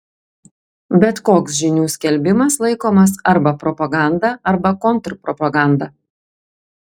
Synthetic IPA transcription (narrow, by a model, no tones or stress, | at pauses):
bʲɛt̪koːksʒʲɪnʲuːsʲkʲɛlʲbʲɪmɐslˠɐɪkoːmɐsɐɾbɐpɾɔpɐɡɑˑnd̪ɐɐɾbɐkɔnt̪ɾpɾɔpɐɡɑˑnd̪ɐ